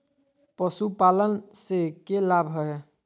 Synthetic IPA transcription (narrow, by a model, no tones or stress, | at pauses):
pəsupalənsekelabʱɦɔe